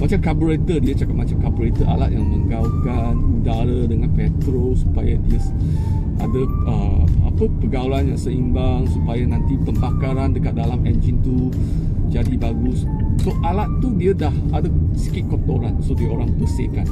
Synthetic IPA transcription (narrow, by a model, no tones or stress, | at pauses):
mat͡ʃamkabəɾet̪ədiat͡ʃakapʔ̚mat͡ʃamkabɾet̪əʔa̰la̰t̪̚jaŋmə̃ŋɡaukanudaɾədəŋanpɛt̪ɾosu̥pajadiə | ʔa̰də | əa̰pəpəɡawlanjaŋsəimbaŋsupajanãnt̪ipəmbakaɾandəkat̪̚dalamɛnd͡ʒint̪u | d͡ʒadibaɡus | soʔalat̪ːudiadahadasə̥kit̪̚kɔt̪oɾansodioɾaŋt̪əsekan